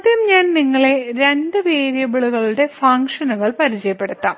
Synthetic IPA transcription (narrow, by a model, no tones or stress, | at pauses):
d̪jjɐmɲaːnniŋːɐɭe̞ɾe̞nɖɨʋeːɾjɐbiɭuɣɐɭuɽe̞fɐŋkʂɐnuɣɐɭpɐɾit͡ɕɐjɐpːe̞ɽutt̪ːaːm